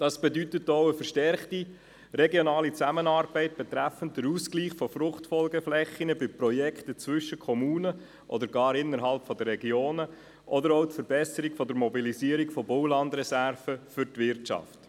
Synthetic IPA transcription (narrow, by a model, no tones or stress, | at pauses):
d̥ɑsb̥ɛdytətɔʊəfəɾʃtɛrχti | ɾɛɡjɔnɑːlit͡sæmənɑːɾb̥ɛɪt̚b̥ɛt̪ɾæfən̩t̚d̥əɾuːskliːχfɔfɾʊχtfɔlɡəflɛχinəbɪpɾɔjɛktət͡svʏʃːəkʰɔmuːnə | ʔɔ̰d̪əɾɡɑːɾɪnːəɾɦɑlpfɔdəɾɛɡjoːnə | ʔɔdəɾɔtfəɾbɛsəɾikfɔdəɾmɔbiliziːəɾikfɔbɔʊlɑndɾɛsæɾfəfʏɾtvɪɾtʃɑ̰ft